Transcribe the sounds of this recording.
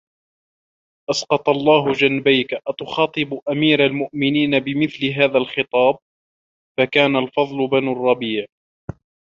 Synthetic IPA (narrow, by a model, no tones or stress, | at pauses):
ʔasqɑt̪ˤɑlˤːɑːɦʊd͡ʒanbajkaʔat̪ʊxɑːt̪ˤɨbʔamiːɾalmʊʔmɪniːnabɪmɪθlɪɦaːðalxɪt̪ˤɑːb̚ | fakaːnalfɑðˤlʊbanuɑrˤːɑbiːʕ